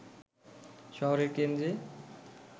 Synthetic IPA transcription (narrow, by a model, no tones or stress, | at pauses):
ʃɔɦoɾeɾkend̪ɾe